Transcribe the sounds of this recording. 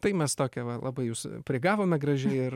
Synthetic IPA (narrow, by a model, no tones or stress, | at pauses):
t̪ɐɪmʲɛst̪oːkʲɛʋɐlˠɑbɐɪjuːspʲɾʲɪɡɑːʋoːmʲɛɡɾɐʒʲɛɪɪr